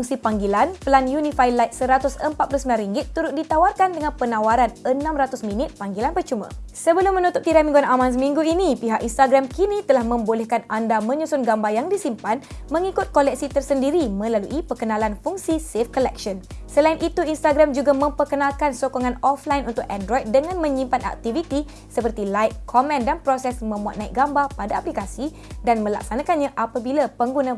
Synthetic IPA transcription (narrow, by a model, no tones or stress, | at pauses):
fuŋsipaŋɡilanpəlanjunĩfajlajt̪̚səɾat̪ʊsəmpat̪̚plusəmilanɾiŋɡɪt̪ːuɾʊt̪̚dit̪awarkandəŋãnpənãwaɾanənãmrat̪ʊsmĩnɪt̪̚paŋɡilanpət͡ʃumã̰səbəlʊmːə̃nut̪ʊp̚t̪iɾamiŋɡuanamãns̬əmĩŋɡuinipiɦakinst̪aɡɾamkinit̪əlahmə̃mbolɛhkanandamə̃ɲusʊnɡambajaŋdisimpanmə̃ŋikʊt̪̚kolɛk̚sit̪ərsəndiɾimə̃laluʔipəkənãlanfuŋsisefkolɛk̚ʃɔnsəlainʔit̪uinst̪aɡɾamd͡ʒuɡamə̃mpərkənãlkansokoŋãnɔflainʔunt̪ʊkɛndɾɔjd̚dəŋãnmə̃ɲĩmpana̰k̚t̪ivit̪i | səpərt̪ilajt̚kʰomɛ̃ndanpɾosɛsmə̃mbuat̪̚naɪk̚ɡambapadaːplikasi | danmə̃la̰k̚sanãkanɲãʔapabilapəŋɡunã